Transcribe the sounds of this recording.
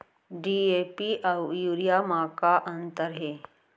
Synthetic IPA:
ɖiepiʔawjuɾijamakaʔənt̪əɾɦe

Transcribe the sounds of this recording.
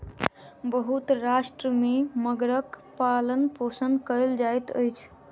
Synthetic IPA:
bəɦut̪ɾasʈɾəmeməɡɾəkpalənposənd̪kəɪld͡ʒajt̪ə̰jt͡ʃʰ

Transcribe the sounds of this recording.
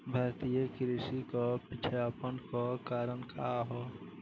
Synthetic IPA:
bʱaːɾt̪ijəkɾɪsikopɪt͡ʃʰaːpənkokaːɾənkʰaɦoː

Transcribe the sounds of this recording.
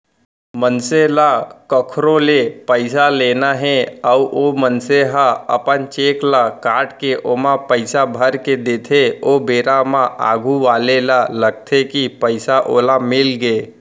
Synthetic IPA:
mənselakəkʰɾolepəɪsaleːnaɦɛ̃əuʔomənseɦaə̰pənt͡ʃeːklakaːʈkeʔomãpəɪsabʱəɾked̪eːt̪ʰeobeːɾamãʔa̰ːɡʱuʋaːlelaləɡ̚t̪ʰekipəɪsaʔoːlamɪlɡeː

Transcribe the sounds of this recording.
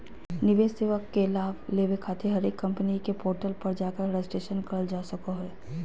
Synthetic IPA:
nɪʋeːsseːʋəkːelaːʋleːʋekʰaːt̪ʰeɦɐɾeːkːɐ̃mpənikepoːɾʈəlpɐɾd͡ʒaːkəɾɾesʈeːʃənkəld͡ʒaːsəkoɦɛː

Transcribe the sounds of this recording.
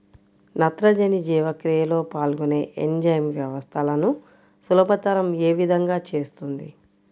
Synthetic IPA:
nɐt̪ɾɐd͡ʒɐnid͡ʒiːʋɐkɾijɐlo̞ːpaːlɡuneːʔend͡ʒɐjɐmʋjɐʋɐst̪ʰɐlɐnu | sulɐbɐt̪ɐɾɐmeːʋid̪ʱɐŋɡaːt͡ʃe̞ːst̪und̪i

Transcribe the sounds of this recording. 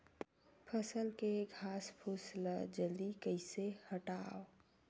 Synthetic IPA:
pʰəsəlkeɡʱaːspʰusləd͡ʒəld̪ikəɪsehəʈaːo

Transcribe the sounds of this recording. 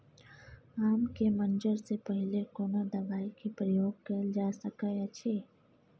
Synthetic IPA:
aːmkemɐ̃nd͡ʒəɾsepəɦɪlekoːnad̪ɐʋaːikipɾəjoːɡ̚kɐld͡ʒaːsɐkajat͡ʃʰeː

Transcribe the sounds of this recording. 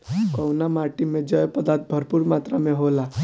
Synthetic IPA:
kɔwnamaʈimed͡ʒəjpəd̪at̪̚bʱəɾpuɾmat̪ɾameɦola

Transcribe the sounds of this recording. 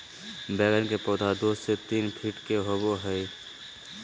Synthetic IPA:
bɛːɡənkepoːd̪ʱad̪oːset̪iːnpʰiʈkeɦoboɦəi

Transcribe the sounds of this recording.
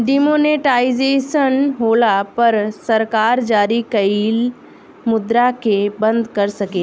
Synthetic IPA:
ɖimoːneːʈaːizeːʃənɦoːlapɐɾsɐɾkaːɾd͡ʒaːɾikɐiːl | mʊd̪ɾakebɐ̃nd̪kɐɾsɐkeː

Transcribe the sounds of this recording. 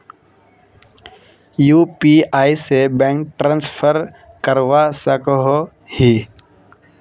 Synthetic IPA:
juːpiaːisebɛ̃ŋk̚ʈɾãːnspʰəɾ | kəɾwasəkɦo | hi

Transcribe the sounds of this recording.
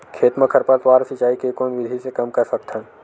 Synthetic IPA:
kʰeːt̪məkʰəɾpəɾt̪waːɾsɪt͡ʃaːikekoːnʋɪd̪ʱisekɐmkɐɾsɐk̚t̪ɦɛ̃ː

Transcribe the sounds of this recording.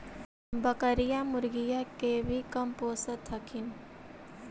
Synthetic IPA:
bɐkəɾijamʊɾɡijakebʱikɐmpoːsət̪ʰɐkʰin

